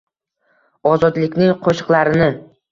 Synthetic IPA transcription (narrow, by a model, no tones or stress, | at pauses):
ɒzɒd̪lɪkʲnɪŋqʰoʃɨ̥qlˠaɾɪnɪ